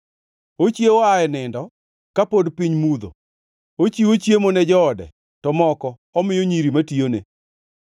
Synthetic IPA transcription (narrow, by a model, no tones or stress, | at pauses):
ot͡ʃjeoaɛnɪndɔ | kapodpiɲmud̪o̰ | ot͡ʃiot͡ʃjemonɛd͡ʒɔːdɛ̰ | tɔmɔkɔ | ɔmɪjoɲiɾimationḛ